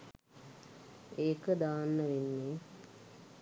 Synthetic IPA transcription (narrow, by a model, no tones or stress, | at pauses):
eːkəd̪aːnːəʋinːe